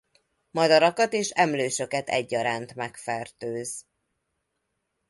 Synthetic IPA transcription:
mɒd̪ɒɾɒkɒt̪eːʃɛmløːʃøkɛt̪ɛ̰ɟːɒɾaːnt̪mɛkfɛrt̪øːz

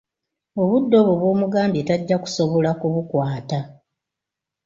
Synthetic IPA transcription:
oβudːo̞βuβwo̞ːmuɡaːmbie̞ːtaɟːaku̥so̞βo̞lakuβukwaːta

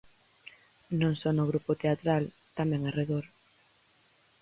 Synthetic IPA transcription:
nõŋsɔnʊɣ̞ɾupʊt̪eat̪ɾal | t̪amɛ̃ŋareðoɾ

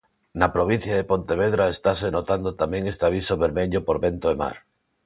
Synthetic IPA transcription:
napɾoβ̞in̟θjaðepont̪eβ̞eð̞ɾaest̪asenot̪and̪ot̪amẽŋest̪aβ̞isoβeɾmeʎopoɾβent̪oema̰ɾ

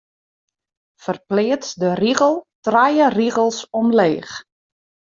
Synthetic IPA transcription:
fərplɪətsdəriɣəlˠtrajəriɣəlˠsɔmleːx

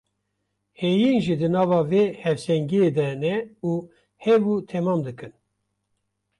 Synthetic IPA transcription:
hejinʒid̪ɨnɑːvɑːveːhɛvsɛŋɡijed̪ɛnɛuː | hɛbut̪ʰɛmɑːmd̪ɨkɨn

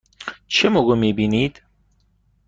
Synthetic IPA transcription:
t͡ʃʰemoɡomibiːniːd̪̥

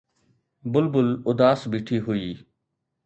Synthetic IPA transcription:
bʊlbʊlʊd̪aːsbiːʈʰiːɦʊiː

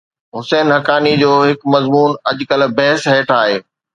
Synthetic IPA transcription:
ɦʊsɛːnɦɐkaːnid͡ʑoːɦɪkmɐzmuːnɐʄkɐlbɐɦɪsɦɛːʈʰaːɦeː

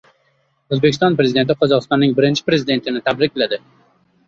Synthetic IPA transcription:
ozbekʲɪst̪ɒnpɾe̞zɪd̪e̞nt̪̬ɪqʰɒzɒqɨst̪ɒnːɪŋbɪɾɪnt͡ʃʰɪ̥pɾe̞zɪd̪e̞nt̪ʰɪnɪt̪ʰabɾɪkʲlad̪ɪ

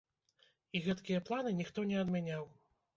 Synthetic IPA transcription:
iɣɛt̪kʲijɐplˠanɨnʲixt̪ɔnʲɛɐd̪mʲanʲaw

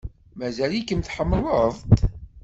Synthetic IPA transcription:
mæzælikəmθħəmːələðˤt̪

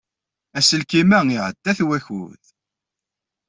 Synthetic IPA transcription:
æsəlkimæŋiʕəd̪̥ːæθwæçṵð

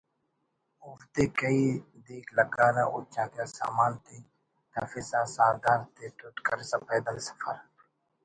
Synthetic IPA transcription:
ʊfd̪eːkəiːd̪iːkləɡaːɾa̰ːʔoːt͡ʃãːd̪jaːsa̰ːmaːnt̪iː | t̪aːfɪsãːsaːd̪aːɾt̪eːt̪ʊt̪kəɾsãːpəːd̪ənsə̥fə̰ɾ

